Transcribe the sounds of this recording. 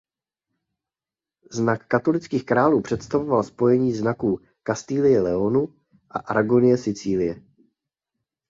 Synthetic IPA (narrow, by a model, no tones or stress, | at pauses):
znakːat̪o̞lɪt͡skiːxkɾaːluːpr̥ɛt̪st̪avo̞valspo̞jɛɲiːznakuː | kast̪iːlɪjɛlɛo̞nu | ʔa̰ʔaɾaɡonɪjɛsɪt͡siːlɪjɛ